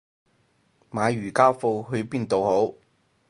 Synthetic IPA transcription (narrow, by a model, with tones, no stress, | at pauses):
maː˨˧ɥyː˨˩kaː˥wfo˧wɦɵ˧ɥpiː˥nt̪o˨who˨˥w